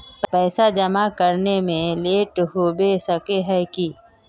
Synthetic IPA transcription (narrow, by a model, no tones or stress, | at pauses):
ppɛːsad͡ʒɐmakəɾnemẽleːʈɦoːbesəkeɦɛki